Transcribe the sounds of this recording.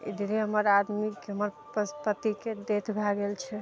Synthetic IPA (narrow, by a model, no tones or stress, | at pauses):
ḛd̪ʱiɾeɦəməɾad̪mikeɦəməɾ | pəspət̪iked̪et̪ʰbʱaɡelt͡ʃʰɛ